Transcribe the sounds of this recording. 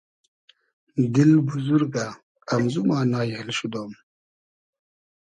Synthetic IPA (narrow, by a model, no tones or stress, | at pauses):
d̪ilbuzuɾɡaː | mzumaːnaːjhilɕud̪oːm